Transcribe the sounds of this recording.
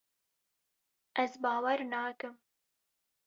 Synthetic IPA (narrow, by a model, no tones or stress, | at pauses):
ʔɛzbɑːwɛɾnɑːkɨm